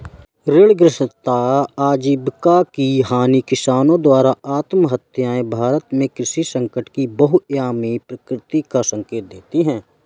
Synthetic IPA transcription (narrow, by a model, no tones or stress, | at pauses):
ɾɪɭɡɾɪʃt̪aaːd͡ʒibkakiɦaːnikɪsaːnõd̪waːɾaaːt̪mɦət̪ʰjaːẽbʱaːɾət̪mẽkɾɪʃisə̃ŋkəʈkibəɦʊjaːmipɾəkɾɪt̪ikasə̃ŋkeːt̪̚d̪eːt̪iɦɛ̃ː